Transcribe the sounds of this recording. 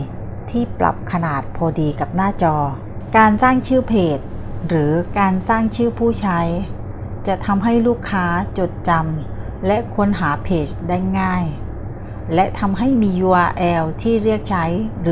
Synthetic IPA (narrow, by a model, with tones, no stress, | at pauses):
t̪ʰiː˥˩pla̰˨˩p̚kʰa˧naː˨˩t̪̚pʰɔː˧diː˧ka˨˩p̚naː˥˩t͡ɕɔː˧ | kaː˧nsaː˥˩ŋt͡ɕʰɯː˥˩pʰeː˨˩t̪̚ɾɯː˩˦kaː˧nsaː˥˩ŋt͡ɕʰɯː˥˩pʰuː˥˩t͡ɕʰa˦˥j | t͡ɕa˨˩ʔt̪ʰa˧mɦa˥˩jluː˥˩kʰːaː˦˥t͡ɕo˨˩t̪̚t͡ɕa˧m | lɛ˦˥ʔkʰu˧ənɦaː˩˦pʰeː˨˩t͡ɕda˥˩jŋaː˥˩j | lɛ˦˥ʔt̪ʰa˧mɦa˥˩jmiː˧juː˧ʔaː˧ʔɛː˧wt̪ʰiː˥˩ɾi˥˩ək̚t͡ɕʰa˦˥jɾɯ˩˨˦